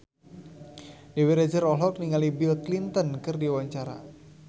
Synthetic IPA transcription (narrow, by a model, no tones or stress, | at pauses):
dewiɾad͡ʒərɔɦlɔk̚niŋalibilklint̪ənkɨrdiwaɲt͡ʃaɾa̰